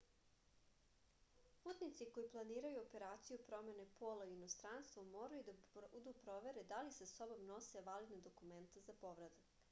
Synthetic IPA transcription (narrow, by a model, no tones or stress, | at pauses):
puːt̪nit̪siko̞jiplˠaniːɾajuope̞ɾaːt̪sijupɾo̞me̞nepo̞ːlaiinost̪ɾaːnst̪ʋomoːɾajud̪aud̪upɾo̞ʋe̞ɾed̪alisaso̞bo̞mno̞seʋalid̪ned̪okument̪ezapo̞ʋɾad̪ak